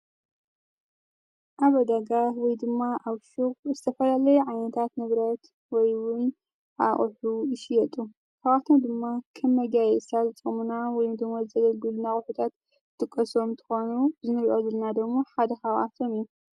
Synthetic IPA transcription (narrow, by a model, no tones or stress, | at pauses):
ʔaβɐd̪aɡawɔjd̪ɨmːaʔaβʃuxzɨt̪ʰɐfɐlalɐjuʕajnɐt̪ʰat̪nɨβɾɐt̪ | wɔjwʊn | ʔa̰χʼħujɪʃɪjɛt̪ʼu | kaβʔat̪ʰod̪ɨmːakʰɐmːɐɡajɛsazɨt͡sʼɨmunawɔjumd̪ɨɡmozɨzɐɡɐlɡɨlunaxʼʊħut̪ʰat̪ | t̪ʼɨkʼːɐso̞mnt̪ʰɨ̥xo̞nuzɨnɨɾʔozɨlnad̪ɐɡmoħad̪ɐkawʔa̰t̪ʰo̞miju